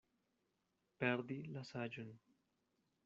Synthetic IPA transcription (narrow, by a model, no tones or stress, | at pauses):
peɾd̪ilasad͡ʒun